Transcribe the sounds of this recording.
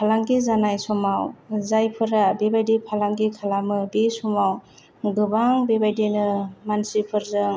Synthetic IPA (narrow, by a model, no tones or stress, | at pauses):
pʰalaŋɡizanajsɔmawzajpʰɯɾabebajdepʰalaŋɡikʰalamɯbesɔmaw | ɡɯbaŋbebajdenɯmansipʰɯɾzɯŋ